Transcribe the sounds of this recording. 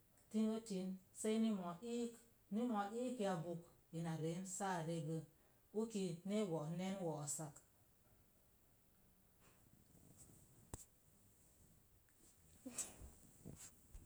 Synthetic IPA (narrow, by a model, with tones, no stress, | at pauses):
ti˦nwo˦ti˨˦nse˦ni˦mɔ˨i˦k | ni˦mɔ˨ʔi˦ki˨a˨bu˨k | i˨na˨ɾe˨˦nsa˦˨ɾe˦bə˦ | u˦ki˨ne˦wɔ˨ne˦nwɔ˨sa˦k